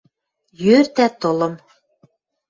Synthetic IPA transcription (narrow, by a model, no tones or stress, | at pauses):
jøɾt̪æt̪ŏlɤ̆m